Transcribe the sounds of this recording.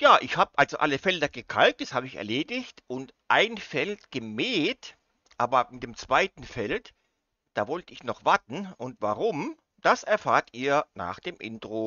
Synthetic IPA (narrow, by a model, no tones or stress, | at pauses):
jaːʔɪçhaːbəʔalzoʔaləfɛldɐɡ̥əkʰalt̚d̥ashaːbəɪçɛ̰ɐleːdɪçtʔʊntʔaɪnfɛltɡ̥əmɛːt | ʔaːbɐmɪtd̥eːmt͡sv̥aɪtn̩fɛlt | d̥aːvɔltəɪçnɔχv̥aɐtn̩ʔʊntv̥aʁʊm | d̥asɛɐfaːɐtiːɐna̰ːχd̥eːmʔɪ̰ntʁ̥o